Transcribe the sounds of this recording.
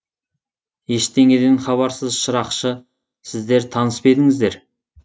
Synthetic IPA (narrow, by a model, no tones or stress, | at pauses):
je̞ʃt̪e̞ŋe̞d̪enχɑβɑɾsəzʃəɾɑqʃə | sɪzd̪e̞ɾt̪ʰɑnəspe̞d̪ɪŋɪzd̪e̞ɾ